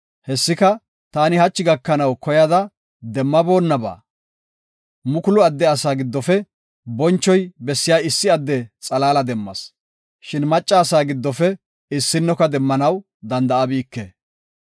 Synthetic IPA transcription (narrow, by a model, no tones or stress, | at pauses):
hɛsːɪkɐ | t̪aːnɪhɐt͡ʃːɪɡɐkːɐnɐwkɔjɐd̪ɐ | d̪ɛmːɐbo̞ːnːɐba̰ː | mʊkʊlʊɐd̪ːɛɐsaːɡɪd̪ːɔfɛ | bɔnt͡ʃːɔjbɛsːɪjaːɪsːɪɐd̪ːɛt͡sʼɐlaːlɐd̪ɛmːɐ̰s | ʃɪnmɐt͡ʃʼːaːsaːɡɪd̪ːɔfɛ | ɪsːɪnːɔkɐd̪ɛmːɐnɐw | d̪ɐnd̪ɐɐbiːkːe